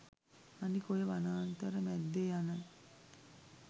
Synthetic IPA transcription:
anikojeʋanaːnt̪əɾəmæd̪ːejanə

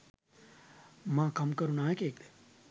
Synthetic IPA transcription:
mãːkɐmkəɾunaːjekeːk̚d̪e

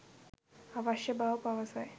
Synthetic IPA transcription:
aʋaɕjəbawpaʋəsaj

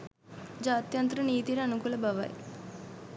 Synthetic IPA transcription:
d͡ʒaːt̪jɐnt̪ɾɐniːt̪iɾɐnukulɐbʱɐʋa̰ːj̰

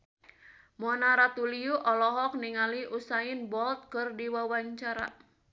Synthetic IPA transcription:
mɔnaɾat̪uliuʔɔlɔɦɔk̚niŋaliʔusaɪnbɔlt̪̚kɨrdiwawaɲt͡ʃaɾa̰

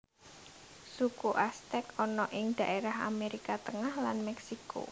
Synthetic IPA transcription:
sukuʔast̪ɛkɔnɔʔɪŋd̪̥a̤ʔeɾaɦa̰meɾikat̪əŋahlanmɛksiko̰

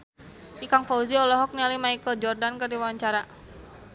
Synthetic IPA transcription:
ʔikaŋfauziɔlɔɦɔk̚nɛlimaikəld͡ʒɔrdankərdiwawaɲt͡ʃaɾa

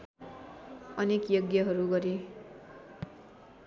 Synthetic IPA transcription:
ʌnekjʌɡjʌɦʌɾuɡʌɾe

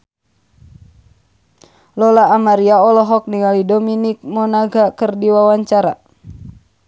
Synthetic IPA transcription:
lɔlaːmaɾiaɔlɔɦɔk̚niŋalidɔminik̚mɔnaɡakərdiwawaɲt͡ʃaɾa̰

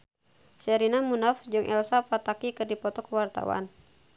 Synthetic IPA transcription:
sɛɾinamunafd͡ʒɨŋʔɛlsapat̪akikɨrdipɔt̪ɔkəwart̪a̰wa̰n

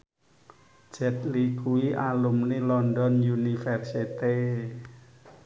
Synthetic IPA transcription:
d̥d͡ʒ̥ɛ̤t̪̚likʰuwiʔalumnelɔndɔnjunifɛrsit̪i

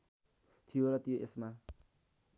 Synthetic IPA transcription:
t̪ʰijoɾʌt̪ijoʔesma

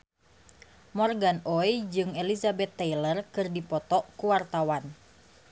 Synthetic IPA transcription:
mɔrɡanɔjd͡ʒɨŋelizabɛt̪ːɛilərkɨrdipɔt̪ɔʔkuwart̪awan

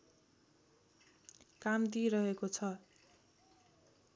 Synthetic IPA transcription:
kamd̪iɾʌɦekot͡sʰʌ

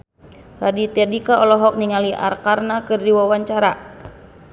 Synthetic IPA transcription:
radit̪ɛdikaɔlɔɦɔk̚niŋaliʔa̰rkarnakɨrdiwawaɲt͡ʃaɾa

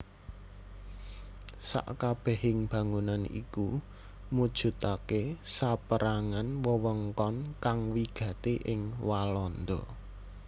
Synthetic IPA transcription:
sa̰ʔkab̥ɛ̤hɪŋb̥ä̤ŋunanḭku | mud̥ʒ̥ṳt̪akesapəɾʔaŋanwəwəŋkɔnkaŋwiɡ̥ä̤t̪eʔɪŋwalɔnd̪ɔ

